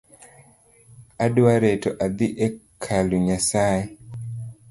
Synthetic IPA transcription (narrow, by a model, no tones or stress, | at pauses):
adwaɾetɔʔad̪iʔekʰaluɲasaje